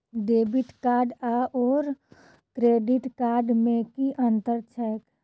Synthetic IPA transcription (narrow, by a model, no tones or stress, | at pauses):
ɖeːbɪʈkaːɾɖaʔɔːɾ | kɾeːɖɪʈkaːɾɖmẽkiʔə̃nt̪əɾt͡ʃʰɛːk